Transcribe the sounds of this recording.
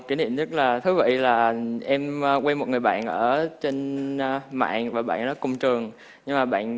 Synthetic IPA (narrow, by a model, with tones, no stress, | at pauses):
ki˧˩˦nḭ˧˨mɲə˦˥t̚laː˨˩t̪ʰɨ˨˦və̰˧˨jlaː˨˩ʔɛ˧m˧kwɛ˧nmo˨˩t̚ŋɨ˨˩jɓa̰ː˧˨nʔəː˧˩t͡ɕe˧n˧ | ma̰ː˧˨nvaː˨˩ɓa̰ː˧˨nːɔ˨˦kʊ̰˧˨wŋ͡mt͡ɕɨ˨˩əŋ | ɲɨ˧ŋmaː˨˩ɓa̰ː˧˨n